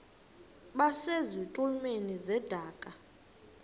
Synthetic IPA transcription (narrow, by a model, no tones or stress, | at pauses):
ɓasezitʼulmenizɛd̥ʱaːkʼa